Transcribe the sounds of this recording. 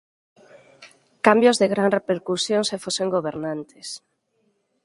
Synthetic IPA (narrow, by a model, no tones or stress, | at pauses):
kambjozðeɣɾanrepeɾkusjõŋsefoseŋɡoβ̞eɾnant̪ʰes